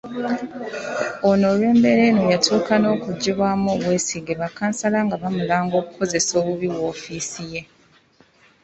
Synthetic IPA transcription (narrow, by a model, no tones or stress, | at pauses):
ono̞lwe̞ːmbe̞ɾe̞nojatʰuːkano̞ːkuɟiβwamuɣweːsiɡeβakːaːnsalaŋɡaβamulaːŋɡo̞ːkukʰo̞ze̞so̞ːβuβiwo̞ːfiːsije̞